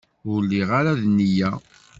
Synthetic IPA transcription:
ʊlːiʁaɾaðnːijæ

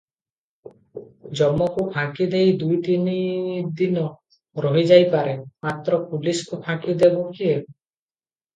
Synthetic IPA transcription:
d͡ʒɔmːɔkupʰãkid̪ejd̪ujt̪inid̪inɔ | ɾɔɦid͡ʒajpaɾemat̪ɾɔpuliskupʰãkid̪ebukie

